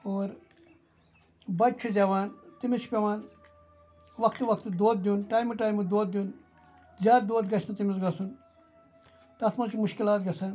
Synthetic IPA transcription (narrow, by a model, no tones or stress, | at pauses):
oːɾ | bɐt͡ʃʰud͡ʒɐʋaːnt̪imit͡ʃʰpʲɐʋaːn | ʋɐkʰt̪ʋɐkʰt̪d̪oːt̪̚d̪juːnʈaːjmuʈaːjmud̪oːt̪̚d̪ʲjuːn | d͡ʒaːɾ̚d̪oːt̪ɡɐt͡ʃʰnɐt̪imisɡɐsun | t̪ɐt̪ʰmɐt͡ʃʰimʊʃkilaːt̪̚ɡɐsaːn